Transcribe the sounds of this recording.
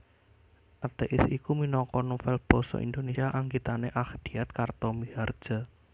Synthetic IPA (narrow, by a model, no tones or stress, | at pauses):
ʔat̪eʔɪsikuminɔkɔnufɛlb̥ɔ̤sɔ̰ʔḭnd̪onesaʔaŋɡit̪aneʔaxd̪̥iat̪̚kart̪ɔmiɦard̥ʒ̥a̤